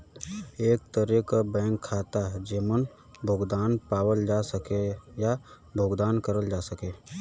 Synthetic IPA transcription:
eːk̚t̪əɾekabɛ̃ːŋkʰːaːt̪ad͡ʒeːmən | bʱoːɡd̪aːnpaːwəld͡ʒaːsəkeja | bʱoːɡd̪aːnkəɾəld͡ʒaːsəkeː

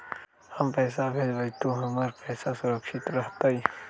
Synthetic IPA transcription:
hɐmpɛːsabʱeːd͡ʒbəjt̪oɦɐməɾpɛːsasʊɾəkʃɪt̪ɾɐɦt̪aɦi

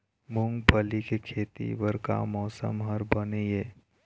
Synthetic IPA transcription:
mʊ̃ŋɡpəlikekʰeːt̪ḭʋəɾka̰mɔːsə̰mɦəɾbəneeː

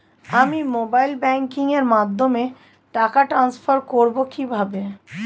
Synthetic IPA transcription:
amimoːbaːɪlbɛ̃ːŋkɪ̃ŋɡeɾmaːd̪ʱːomẽ | ʈaːkaʈɾãːnspʰəɾkoːɾbokʰibʱaːbẽ

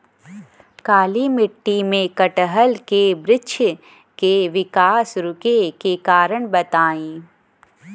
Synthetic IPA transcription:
kaːlimɪʈːimẽkəʈəɦəlkebɾɪtːʃʰ | keʋɪkaːsɾʊkekekaːɾəɳ̃bɐt̪aːĩː

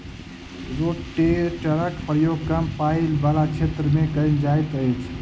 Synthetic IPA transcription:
ɾoʈʈeɾt͡ʃəɾəkpɾəjoɡ̚kəmpailbalat͡ʃʰet̪ɾəmẽkəjnd͡ʒajt̪əjt͡ʃʰ

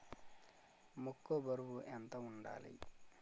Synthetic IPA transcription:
mukːobɐɾuwuʔɛnt̪ɐuɳɖa̰ːlḭ

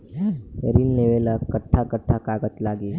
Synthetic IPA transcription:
ɾinːeʋelakəʈʰːakəʈʰːakaːɡət̪laːɡe

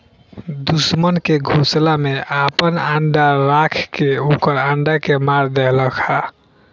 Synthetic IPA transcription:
d̪usmənkeɡʱuslameʔapənaɳɖaɾakʰkeukəɾaɳɖakemaɾd̪eɦləkʰa

